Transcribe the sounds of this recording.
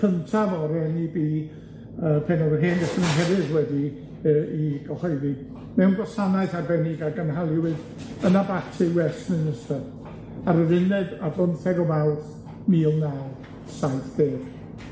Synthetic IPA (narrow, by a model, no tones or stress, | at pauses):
kʰəntʰavɔɾɛnibi | əːpʰɛnɔɡərɦeːnɡɛsnɨnɦɛvɨðwɛdi | əiɡɔhɔjði | mɛwnɡwɔsanaɨθarbɛnɪɡaɡənɦalˠɪwɨd | ənabatʰɨwɛsnɨnəstɛ | aɾəðɪnɨdablɔnθɛɡɔmɛwˠθ | miːlˠna | saɨθb̥eːv